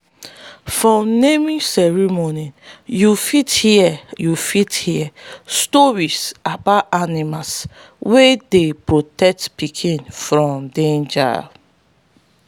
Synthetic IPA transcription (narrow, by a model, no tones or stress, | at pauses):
fɹɔ̃mnemĩsɛɹimonijufithiɛjufithiɛstɔɹisabatanimas | wedepɹotɛk̚tpikʰĩnfɹɔ̃mdẽnd͡ʒa̰